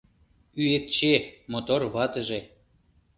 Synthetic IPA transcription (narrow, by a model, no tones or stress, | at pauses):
yet̪̚t͡ɕemot̪orβɑt̪ə̆ʒe